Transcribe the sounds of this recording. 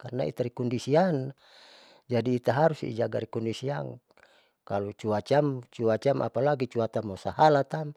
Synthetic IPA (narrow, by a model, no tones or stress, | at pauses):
karna̰ḭt̪aɾikɔndisian | d͡ʒadiːt̪aɦaɾusḭḭd͡ʒaɡaɾikɔndisiaŋ | kalut͡ʃuat͡ʃamt͡ʃuat͡ʃamʔa̰palaɡit͡ʃuat̪amosahalat̪am